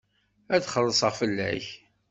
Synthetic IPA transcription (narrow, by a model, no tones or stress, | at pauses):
æθχəlˤːəsˤəʁfəlːæ̰ç